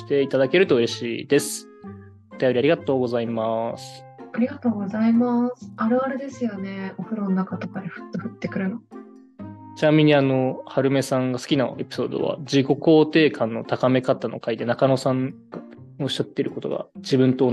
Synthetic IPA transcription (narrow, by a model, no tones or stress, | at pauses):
i̥t̪e̞it̪ad̪ake̞ɾɯ̟t̪o̞ɯ̟ɾe̞ɕḭːd̪e̞sɨ̥ | ot̪ajo̞ɾiaɾʲiɡat̪o̞ːɡo̞zaimasɨ̥ | aɾʲiɡat̪o̞ːɡo̞zaimasɨ̥aɾɯ̟aɾɯd̪e̞sɨjo̞ne̞oɸɯ̟ɾononakat̪o̞kad̪eɸɯ̟̥t̪ːoɸɯ̟t̪ːe̞kɯ̟ɾɯno | t͡ɕinamʲiɲ̟iano̞haɾɯ̟me̞sãŋɡasɨ̥kʲinae̞pʲi̥so̞ːd̪o̞̰βa̰d͡ʑiɡo̞ko̞ːt̪e̞ːkʰãnːo̞̰t̪akame̞kat̪ano̞̰kaid̪e̞nakanosãŋ | a | oɕːat̪ːeiɾɯ̟ko̞t̪o̞̰ɡa̰d͡ʑibɯ̟̃nt̪o̞ː